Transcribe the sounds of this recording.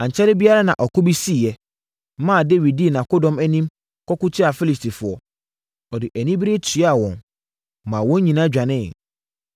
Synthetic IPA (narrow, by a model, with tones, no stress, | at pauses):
ã˨ɲ˨t͡ɕʰɛ˦ɾɪ˦bi˦a˦ɾa˦nã̰˨ʔɔ˨kʊ˦bi˦si˦˨jɛ˨˦ | mã˦˨de˦wi˨d̚di˦˨nã˨ko˦dɔ̃˦mɛ˦nĩ˦m | kʰɔ˦kʊ˦tʰɪ˦a˨fi˦li˨sti˨fʊ˨ɔ˦ | ɔ˨dɪ˨ʔæ˨nĩ˦bi˦ɾe˦tʰi˨˦a˨wɔ̃˨n | mã˨wɔ̃˦ɲĩ˨nã˦d͡ʑᶣa˨nɪ̃˦˨